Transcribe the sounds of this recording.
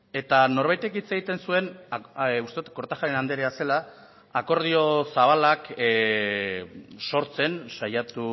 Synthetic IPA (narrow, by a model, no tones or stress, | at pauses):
e̞t̪ano̞ɾβ̞ajt̪e̞kit͡se̞ɣit̪e̞nsue̞n | ust̪e̞ut̪kːo̞ɾt̪axaɾenand̪eɾease̞laː | ko̞ɾð̞io̞saβ̞alak | so̞ɾt͡se̞nsajat̪u